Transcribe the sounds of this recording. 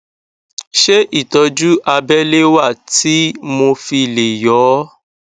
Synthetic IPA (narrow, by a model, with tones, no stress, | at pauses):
ʃe˦ʔi˦˨tɔ˨˧d͡ʒu˦a˧bɛ˦le˦wa˦˨ti˨˦mo˧fi˧˨le˨jɔ˨˦